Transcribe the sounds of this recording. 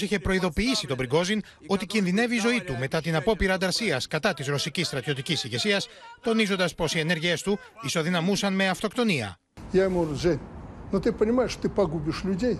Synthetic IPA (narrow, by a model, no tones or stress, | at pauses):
siçe̞pɾo̞iðo̞piisit̪o̞bɾiŋɡo̞zin | o̞t̪icinðine̞viːzo̞it̪ume̞t̪ɐt̪inɐpo̞piɾɐːnd̪ɐɾsiɐskɐt̪ɐt̪izɾo̞sicist̪ɾɐt̪jo̞t̪icisiʝe̞siɐst̪o̞nizond̪ɐspo̞sie̞ne̞ɾʝie̞st̪u | iso̞ðinɐmusɐnme̞ɐft̪o̞kt̪o̞niɐ̰ | jaɪmuɾzenʲnot̪ɨpənʲɪmajɪʂt̪t̪ɨpɐɡubʲɪʂlʲʊdʲej